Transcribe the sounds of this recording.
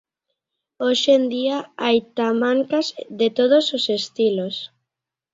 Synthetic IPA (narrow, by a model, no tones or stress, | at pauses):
oʃend̪iaajt̪amãŋkazðet̪oð̞ososest̪ilos